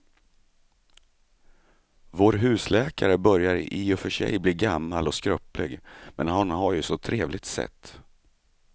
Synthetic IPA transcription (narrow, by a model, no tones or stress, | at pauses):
voːɾɦʉ̟ːslɛːkaɾəbœɾjaɾɪɔfœʂɛ̰jbliːɡamːalɔskɾœplɪ̰ɡmɛnɦanɦaɾjɵsɔt̪ʰɾeːvlɪɡ̚t̪sɛ̰t̪ː